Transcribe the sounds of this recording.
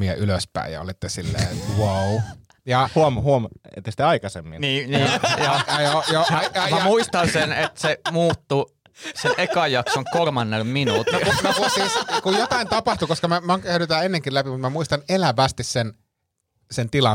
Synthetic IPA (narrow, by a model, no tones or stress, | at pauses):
iɑ̰ʔyløspæ̰ˑḭjɑ̰o̰lit̪ːesilːḛːt̪wou | jɑhuomhuomḛt̪ːest̪eɑikɑsḛmːḭnniːniːjɑɑjojoɑɑmæmuist̪ɑnsenet̪semuːt̪ːu | senʔekɑjɑksoŋkolmɑnːelminut̪nounokusiːskujjot̪ɑint̪ɑpɑht̪ukoskɑmæmɑæyɾyt̪æenːeŋkilæpimut̪mæmuist̪ɑnelæʋæst̪issen | sent̪ilɑ